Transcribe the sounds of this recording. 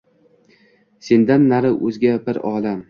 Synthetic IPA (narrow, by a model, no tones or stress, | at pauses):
se̞nd̪anːaɾɪʔɵzɡʲabɪɾɒːlam